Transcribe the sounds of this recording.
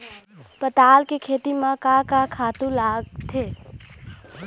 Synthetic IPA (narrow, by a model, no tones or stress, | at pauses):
pət̪aːlkekʰeːt̪imãkakakʰaːt̪ũlaːɡ̚t̪ʰeː